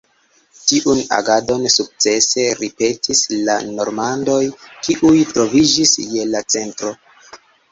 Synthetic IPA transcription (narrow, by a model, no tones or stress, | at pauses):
tiʔuna̰ɡado̞nsuk̚t͡se̞se̞ɾipe̞tʰisla̰no̞ɾmando̞jkiʔujtɾo̞vid͡ʒisje̞lat͡se̞ntɾo̞